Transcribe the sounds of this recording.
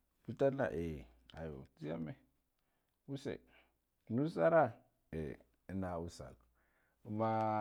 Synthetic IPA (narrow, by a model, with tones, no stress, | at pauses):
pi˦ta˦na̰˨ʔe˨ | a̰˨jo̰˨t͡si˦ja̰˦me˦ | u˦sḛ˨ | nu˦sa˦ɾa˦˨ | ḛ˨ | i˦na˨u˦sa̰˨lu˨ | u˦ma˦